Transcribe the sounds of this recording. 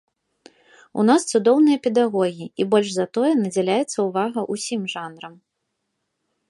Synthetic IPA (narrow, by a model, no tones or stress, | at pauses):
ṵn̪ast̪sud̪ɔwnɨjɐpʲɛd̪aɣɔɣʲiibɔlʲʐzɐt̪ɔjɛnɐd͡zʲɛlʲajɛt̪sːɐuvaɣɐʔusʲimʐanɾɐm